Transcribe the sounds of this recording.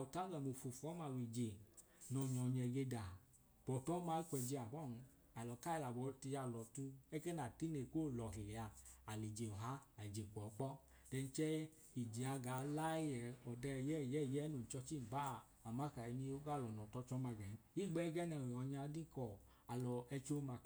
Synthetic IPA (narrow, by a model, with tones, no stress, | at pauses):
a˨u˨ta˦ɡɛ˨mo˨fu˨fɔ˨˦ma˧˨wi˨d͡ʒe˨ | nɔ˨ɲɔ˨ɲɛ˨ɡe˧da˨ | b̥ɔ˨tɔ˨˦ma˧i˦kʷɛ˨d͡ʒe˧a˨bɔ˦˨n˧ | a˨lɔ˨ka˦i˧la˨bɔ˨˧˦ti˧ja˧˨lɔ˨tu˧ɛ˦ke˦na˨ti˦ne˨ko˦˨lɔ˨ɦe˨le˨a˧a˨li˨d͡ʒe˨ɔ˨ɦa˦a˨li˨d͡ʒe˨kʷɔ˨˦k͡pɔ˦ | d̥ɛ˧n˦t͡ʃɛ˦ | i˨d͡ʒi˨a˧ɡa˨la˦jɛ˨ɔ˨dɛ˧˨jɛ˦˨jɛ˦˨jɛ˦no˨t͡ʃɔ˧t͡ʃi˦˨ba˦˨ | a˨ma˦ka˨i˧ni˧o˦ɡa˦˨lɔ˨nɔ˨tɔ˧˦t͡ʃɔ˦ma˧ɡɛ˨n˨˦i˦˨ɡ͡bɛ˦ɡɛ˦nɛ˧˨ɔ˨ɲa˧˦di˦kɔ˨ | a˨lɔ˨ɛ˧t͡ʃo˦ma˧˨